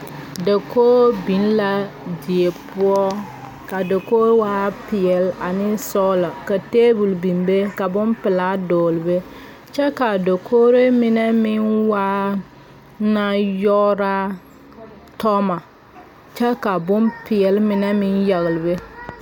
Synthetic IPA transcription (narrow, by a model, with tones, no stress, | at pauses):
de˨koː˦bi˨˦n˦la˦ | di˨e˨pʊ˦ɔ˦ | ka˨do˨koː˦waː˦pɪ˨ɛ˨la˨nɪ˦sɔ˦la˨ka˨teː˦bu˨lbi˨mbe˦ka˨bʊ˦mpɪ˨la˦doː˨lbe˦ | t͡ʃɛ˦ka˨do˨kʰo˦ɾe˦mɪ˦nɛ˦mɪ˦nwaː˦ | na˦jɔ˦ɾa˦ | tɔ˦ma˨ | t͡ʃɛ˦ka˨bʊ˦npɪ˨ɛ˨lmɪ˦nɛ˦mɪ˦nja˨ɣɪ˨lbe˦